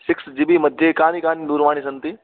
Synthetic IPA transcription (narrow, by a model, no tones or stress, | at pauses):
ʃɪksd͡ʑɪbiməd̪ʱːekaːnikaːnid̪uːɾʋaːɽ̃iːsɐnt̪i